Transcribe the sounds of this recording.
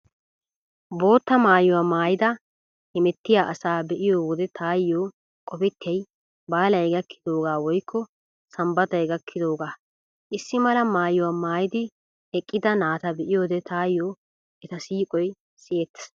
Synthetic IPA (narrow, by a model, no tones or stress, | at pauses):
bo̞ːt̪ːɐmaːjʊwaːmaːjɪd̪ɐ | hɛmɛt̪ːɪjaːʔɐsaːbɛʔɪjoːwɔd̪ɛt̪ʰaːjːoː | kʼɔpɪt̪ʰːɛj | baːlɐjɡɐkːɪ̥d̪o̞ːɡaːwɔjkʰːɔ | sɐmbɐt̪ɐjɡɐkʰːɪd̪o̞ːɡaː | ʔɪsːɪmɐlɐmaːjʊwaːmaːjɪd̪ɪ | ɛkʼːɪd̪ɐnaːt̪ɐbɛʔɪjoːd̪ɛt̪ʰaːjːoː | ɛt̪ɐsiːkʼɔj | sɪjet̪ː